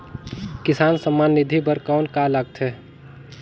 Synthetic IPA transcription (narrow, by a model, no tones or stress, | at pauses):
kɪsaːnsəmːaːnːɪd̪ʱibəɾkɔːnkalaɡ̚t̪ʰɦɛː